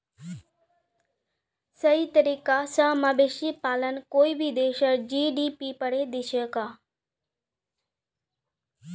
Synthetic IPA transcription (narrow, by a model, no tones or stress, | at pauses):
səɦit̪əɾiːkasamaːbeʃipaːlənkoːibʱid̪eːʃəɾd͡ʒiːɖipipəɽed̪iʃəkaː